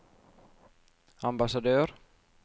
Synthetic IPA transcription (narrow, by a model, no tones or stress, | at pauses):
ambasad̪œːɾ